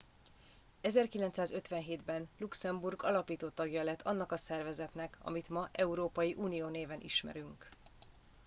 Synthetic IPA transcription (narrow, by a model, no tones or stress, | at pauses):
ɛzɛrkilɛnt̪saːzø̞t̪ʋɛnɦeːd̪bɛnluksɛmburɡɒlɒpiːt̪oːt̪ɒɡjɒlɛt̪ʰːɒnːɒkɒsɛrvɛzɛt̪nɛkʰɒ̰mit̪mɒʔɛuɾoːpɒjiʔuːnijoːneːvɛnʔḭʃmɛ̰ɾyŋk